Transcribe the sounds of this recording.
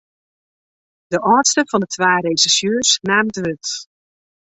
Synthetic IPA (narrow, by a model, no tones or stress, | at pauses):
d̥əʔɔːtstəfɔndətʰʋaːɾejsisjøːsnaːmdʋøt